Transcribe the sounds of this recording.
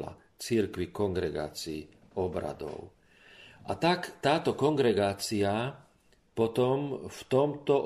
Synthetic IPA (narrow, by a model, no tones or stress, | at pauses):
la̰ | t͡siɾkʋikɔŋɡɾɛɡa̰ːt͡siː | ɔbɾa̰d̪ɔ̰ʊ | ʔat̪akt̪aːt̪ɔkɔŋɡɾɛɡaːt͡sia | pɔt̪ɔmft̪ɔmt̪ɔʔ